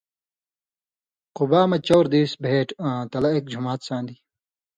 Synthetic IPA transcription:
qubaːmɐt͡ɕoːɾd̪iːsbʱeːʈãːt̪ɐlɐek̚d͡ʑʱumaːt̪sãːnd̪i

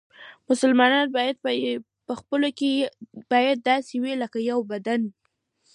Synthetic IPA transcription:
mʊsəlmɑnɑnbɑjad̪̚ | pəxpəlokeb̥ɑjad̪̚ːɑsewiləkajawbad̪ani

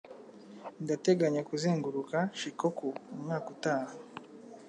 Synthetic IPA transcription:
ndate̞ɡaɲakuzeːŋɡuɾukaʃikokuumŋaːkutaːha

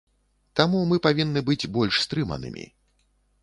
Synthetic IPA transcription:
t̪amumɨpavʲinːɨbɨd͡zʲbɔlʲʂst̪ɾɨmɐ̰nɨ̰mʲḭ

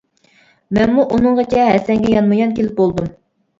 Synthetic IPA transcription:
mɛnmuʔunɨɴʁɑt͡ʃʰɛɦɛsɛŋɡʲɛjɑnmɑjɑnkʲʰelɪp̚bolˠd̪um

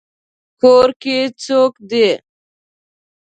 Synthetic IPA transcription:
koːɾket͡soːkd̪e

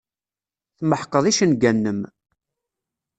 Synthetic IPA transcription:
θməħqəðˤiʃənɡænːəm

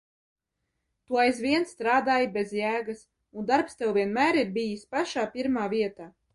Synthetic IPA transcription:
t̪uɔajzviɛnst̪ɾaːd̪aːjibezjæːɡas | und̪aɾpst̪ɛwviɛnmæːɾiɾbijisʲpaʃaːpiɾmaːviɛt̪aː

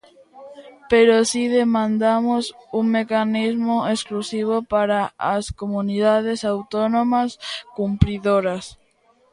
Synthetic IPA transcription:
peɾosiðemãnd̪amosuŋmekanizmoesklusiβ̞opaɾaːskomuniðað̞esawt̪onõmaskumpɾiðoɾas

